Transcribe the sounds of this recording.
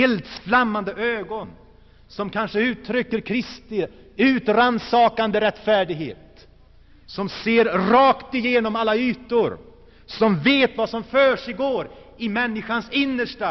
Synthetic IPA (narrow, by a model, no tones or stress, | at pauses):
ɛːlt̪sflamːand̪əʔøːɡɔn | sɔmkʰanʂəʉ̟ːt̪ʰɾʏkːəɾkʰɾɪst̪ɪ | ʉ̟ːt̪ɾansɑːkand̪əɾɛt̪ːfæːɖɪɡhḛːt̪ | sɔmseːɾɾɑːkt̪ɪjeːnɔmalːayːt̪ʊɾ | sɔmveːt̪vasɔmføːʂɪɡoːɾ | ɪmɛnːɪɧansɪnːəʂʈa